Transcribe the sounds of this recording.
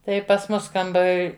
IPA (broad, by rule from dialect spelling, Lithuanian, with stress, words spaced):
ˈtɐɪ pɐs ˈmʊs kɐmˈbɐr